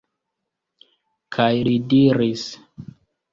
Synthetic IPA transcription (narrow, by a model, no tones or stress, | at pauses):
kʰajlidiɾis